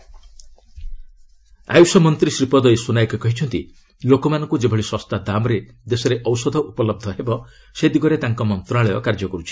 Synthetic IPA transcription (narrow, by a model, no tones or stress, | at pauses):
a̰jusɔmɔnt̪ɾisɾipɔd̪ɔjsunajkɔkɔɦit͡ʃʰɔnt̪ḭ | lokɔmanɔ̃ŋkud͡ʒebʱɔɭiswɔst̪ad̪amɔɾe | d̪esɔɾeʔɔwsɔd̪ʱɔʔupɔlɔb̚d̪ʱɔɦebɔ | sed̪iɡɔɾet̪aŋkɔmɔnt̪ɾaɭɔjɔkaɾd͡ʒɔkɔɾut͡ʃʰi̥